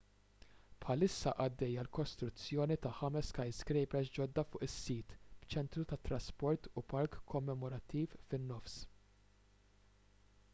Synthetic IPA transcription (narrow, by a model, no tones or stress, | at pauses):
pħɐlɪsːɐ̰ʔɐd̪ːɛjːɐlkɔst̪ɾʊt͡sːjɔːnit̪ɐħɐmɛskɐjskɾɛjpɛsd͡ʒɔd̪ːɐfʊːʔɪsːiːt̪b̥t͡ʃɛnt̪ɾut̪ɐt̪ːɾɐspɔɾt̪upɐɾkʰːɔmːɛmɔɾɐt̪ːiːffɪnːɔfs